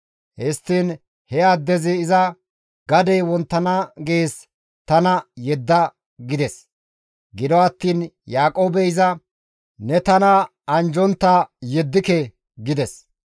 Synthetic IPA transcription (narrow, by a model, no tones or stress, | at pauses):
hɛst̪ːiːn | hɛad̪ːɛzɪːzɐ | ɡɐd̪ɛjwɔnt̪ːɐnaɡeːs | t̪ɐnɐjɛd̪ːɐ | ɡɪd̪ɛs | ɡɪd̪ɔɐt̪ːiːn | jaːkʼo̞ːbɛɪzɐ | nɛt̪ɐnɐ | ɐnd͡ʒɔnt̪ːajɛd̪ːɪkɛ | ɡɪd̪ɛs